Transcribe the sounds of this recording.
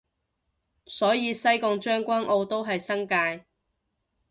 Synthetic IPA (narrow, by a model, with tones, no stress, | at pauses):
sɔː˨˥jiː˨˧sɐ˥jkʊ˧ŋt͡ʃœː˥ŋkʷaː˥nʔo˧wt̪o˥wɦɐ˨jsɐ˥ŋkaː˧j